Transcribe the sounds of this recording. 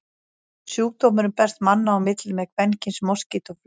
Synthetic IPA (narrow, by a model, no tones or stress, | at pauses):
sjuːk̚t̪oːmʏɾʏmpɛr̥t̪manːaawmɪt̪lɪmɛkʰvɛncɪnsmɔscɪt̪ɔf